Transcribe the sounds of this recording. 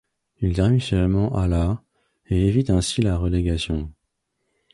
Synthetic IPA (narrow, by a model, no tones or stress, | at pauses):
ilt̪ɛʁmisœlmɑ̃ʔala | eevit̪ɛ̃silaʁəleɡasjɔ̃